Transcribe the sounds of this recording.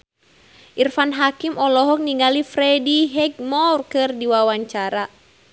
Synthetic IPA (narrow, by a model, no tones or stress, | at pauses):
ʔirfanɦakimɔlɔɦɔk̚niŋɡalifɾɛdiɦɛɡ̚mɔrkɨrdiwawaɲt͡ʃaɾa